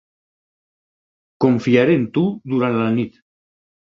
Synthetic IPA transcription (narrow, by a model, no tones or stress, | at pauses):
koɱfiaɾent̪ud̪uɾanlanit̪